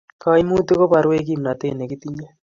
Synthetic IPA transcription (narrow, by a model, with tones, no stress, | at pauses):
ka˦i˦mu˦tu˦ko˦pa˨ɾwe˦k̬i˦˨mna˨t̪e˦˨nɛ˨ki˦t̪i˦ɲɛ˦